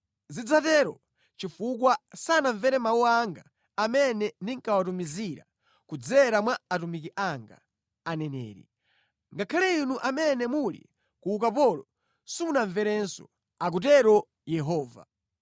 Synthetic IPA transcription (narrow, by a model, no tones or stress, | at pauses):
zid͡zatɛɾɔ | t͡ʃifuk̬wasanaɱvɛɾɛmawuaŋɡaː | mɛnɛndiŋkawatumiziɾa̰ | kud͡zɛɾamwaatumikiʔaŋɡa̰ː | nɛnɛ̰ːɾḭ | ŋɡakʰalɛinuʔamɛnɛmulḭ | kuukapɔlɔ | sunaɱvɛɾɛnsɔ̰ | ak̬ut̬ɛɾɔ | jɛɦɔːva̰